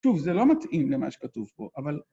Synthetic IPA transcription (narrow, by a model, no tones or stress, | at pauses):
ʃuvzelo̞mat̪ʔimlemaʃe̥katuvpo̞ʔaval